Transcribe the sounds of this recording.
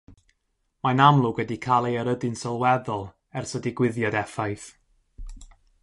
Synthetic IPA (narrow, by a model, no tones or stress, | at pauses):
manamlˠʊɡwɛdikʰalˠejəɾədɨnsəlˠwɛðɔlˠ | ɛrsədɪɡwɪðjadɛfajθ